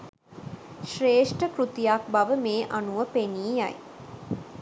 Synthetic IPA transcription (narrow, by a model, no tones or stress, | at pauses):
ʃreːʂʈəkɾut̪ijak̚baʋəmeːʔanuʋəpeniːja̰j